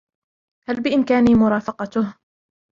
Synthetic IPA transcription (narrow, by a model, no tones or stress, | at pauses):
halbɪʔɪnkaːniːmʊɾˤɑːfɑqɑt̪ʊh